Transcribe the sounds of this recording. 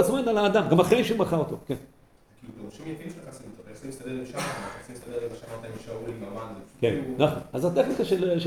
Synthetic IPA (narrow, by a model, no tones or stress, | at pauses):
at͡smanalaːd̪amɡamaχʁejʃeumaχaot̪oken | kilukeʁuʃimjafimʃleχasimt̪oesimist̪ad̪elimʃamaanaesimist̪ad̪eimaʃamat̪aʃaulimamand̪efkennaχonazat̪eχnikaʃeleʃe